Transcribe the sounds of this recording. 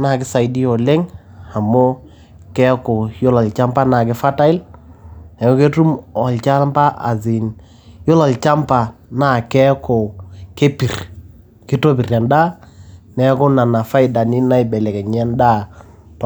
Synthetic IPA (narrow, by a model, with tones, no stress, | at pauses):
na˨kɪ˦sa˨i˨di˦ɔ˨le˦ŋ | a˨mo˦ | kɛ˦ko˨jo˦la˨lt͡ʃa˦mpa˦na˨k̬ɪ˦fa˦ta˦ɪ˦l | nɛ˨ŋo˦ke˦tu˦mɔ˨lt͡ʃa˦mpa˦ʔa̰˨zɪ˨n | jo˦la˨lt͡ʃa˦mpa˨na˦˨kɛ˦ko˨ke˦pi˨r | kɪ˦to˦pi˨rja˨nda˦nɛ˨˦ko˦na˨na˨fa˦ɪ˨da˨nɪ˦na˦ɪ˨bɛ˨lɛ˨kɛ˨ɲ˨a˦nda˦